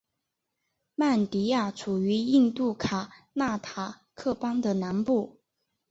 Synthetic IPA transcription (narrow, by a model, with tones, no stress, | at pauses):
ma˥˩nt̪i˧˥ja˥˩ʈ͡ʂʰu˨˩y˧˥i˥˧nt̪u˥˩kʰa˨˩ | na˥˩t̪ʰa˨˩ | kʰɤ˥˩pɑ˥ŋd̪ə˨na˧˥npu˥˩